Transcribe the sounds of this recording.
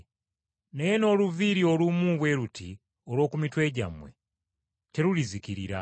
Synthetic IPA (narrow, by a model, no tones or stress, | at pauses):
nejeno̞ːluviɾio̞lumuβwe̞ɾutʰi | olo̞ːkumitwe̞ːɟa̰mwe̞̰ | te̞ɾuliziciɾḭɾa̰